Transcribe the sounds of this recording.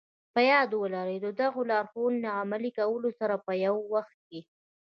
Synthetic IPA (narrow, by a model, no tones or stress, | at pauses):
pəjɑd̪wəlaɾed̪əd̪aɣolaːɾxunlaamalikawəlosaɾapəjawːaxt̪̚ke